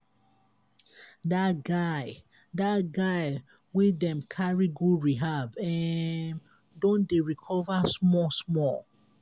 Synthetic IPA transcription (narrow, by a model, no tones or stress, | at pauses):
datɡaɪ | daɡaɪ | widɛ̃mkʰaɹiɡuɹiɦabɛm | dɔ̃ndeɹikʰɔvasmɔsmɔl